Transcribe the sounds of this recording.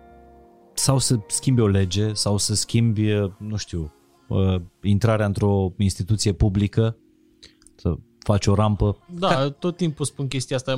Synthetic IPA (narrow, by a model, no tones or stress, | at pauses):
sawsəskʲimbeo̞le̞d͡ʒe̞sawsəskʲimbʲənuʃt̪iw | əint̪ɾaɾeaɨnt̪ɾo̞inst̪it̪ut̪sije̞publikə | sə̰ | fat͡ʃo̞ɾampəd̪at̪ot̪ːimpuspunk̬ʲe̞st̪iast̪a